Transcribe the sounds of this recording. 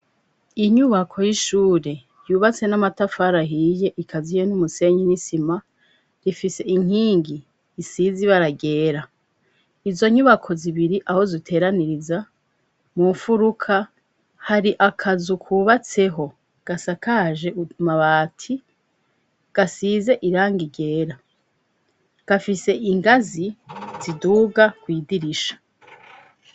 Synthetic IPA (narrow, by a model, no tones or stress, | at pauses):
iɲuβakʰo̞jiʃuːɾe̞ | juːβat͡se̞namatafaɾaɦiːje̞ʔikʰazijonumuse̞ɲinisima | ɾifise̞ʔiŋ̥iːŋɡiː | siziβaɾaɡe̞ːɾa | izo̞ɲuβakʰo̞ziβiɾiʔaho̞zitʰe̞ːɾaniɾiza | muɱfuɾukʰa | haɾiʔakʰazukʰuːβat͡se̞ɦo̞ | ɡ̥asakaʒe̞umaβaːtʰi | ɡ̥asize̞ʔiɾaːŋɡiɡe̞ːɾa | ɡ̥afise̞ʔiŋɡaziz̥iduːɡakwiːdiɾiʃḁ